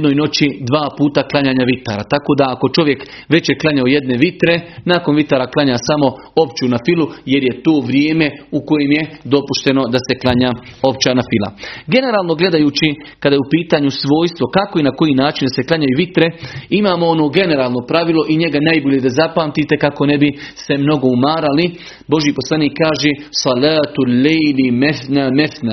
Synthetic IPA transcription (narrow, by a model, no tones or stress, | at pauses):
d̪noːjno̞t͡ɕid̪ʋaːpuːt̪aklˠaɲaːɲaʋit̪a̰ːɾat̪ako̞ːd̪aːko̞t͡ʃo̞ʋje̞k | ʋe̞t͡ɕjeklˠaɲaoje̞d̪ne̞ʋit̪ɾe̞naːko̞nʋit̪aːɾaklˠaɲaːsamo̞ | o̞pt͡ʃunafilˠuje̞ɾje̞t̪oːʋɾjeːme̞uko̞jeːmje̞d̪o̞puʃt̪e̞no̞d̪ase̞klˠaɲaːo̞pt͡ɕaːnafilˠa̰ɡe̞ne̞ɾaːlˠno̞ɡle̞d̪ajuːt͡ɕi | kad̪aːjeupiːt̪aːɲusʋo̞ːjst̪ʋo̞kako̞inako̞jiːnaːt͡ʃind̪ase̞klˠaɲajuʋit̪ɾe̞imaːmoo̞no̞ːɡe̞ne̞ɾaːlˠno̞pɾaʋilˠo̞ʔiɲe̞ɡanajbo̞ʎe̞d̪azapaːmt̪it̪e̞kako̞ne̞bise̞mno̞ɡo̞umaːɾali | bo̞ʒjipo̞slˠaniːkːaːʒeːsɑlaːt̪lːejlimenameθna